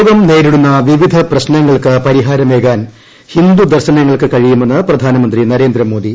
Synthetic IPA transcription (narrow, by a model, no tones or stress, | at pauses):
ɡɐmne̞ːɾiɽunːɐʋiʋid̪ʱɐprɐɕnɐŋːɐɭkɨpɐɾiɦaːɾɐmeːɡaːn | hind̪ud̪ɐrɕɐnɐŋːɐɭkɨkɐɻijumenːɨprɐd̪ʱaːnɐmɐnd̪rinɐɾe̞ːnd̪ɾɐmo̞ːd̪i